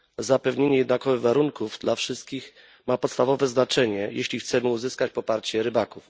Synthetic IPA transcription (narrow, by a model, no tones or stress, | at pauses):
zapɛvɲeɲɛjɛd̪nakɔvɘɣvaɾuŋkuvd̪lafʂɘst̪̚kʲix | mapɔt̪st̪avɔvɛznat͡ʂɛɲɛjeɕlʲixt̪sɛmɘuzɘskat͡ɕpɔpaɾt͡ɕɛɾɘbakuf